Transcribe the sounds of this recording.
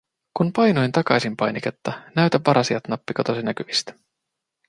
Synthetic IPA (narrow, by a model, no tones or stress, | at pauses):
kunpɑjno̞jnt̪ɑkɑjsimpɑjniket̪ːɑnæɥt̪æʋːɑɾʔɑsiɑt̪nɑpːiko̞t̪osinækyʋist̪æ̥